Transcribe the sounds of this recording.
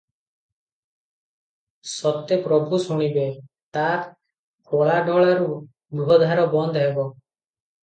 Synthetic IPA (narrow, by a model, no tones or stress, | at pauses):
sɔt̪epɾɔbʱusuɽ̃ibe | t̪aɾ | kʰoɭaɖɔɭaɾu | buɦɔd̪ʱaɾɔbɔnd̪ɔɦebɔ